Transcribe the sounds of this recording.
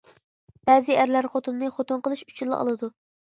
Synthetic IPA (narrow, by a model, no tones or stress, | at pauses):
b̥ɛzɪæɾlæɾχot̪unːɨχot̪unqəlˠɨʃy̥t͡ʃʰilˠːɨ̰ɑ̰lˠɨd̪u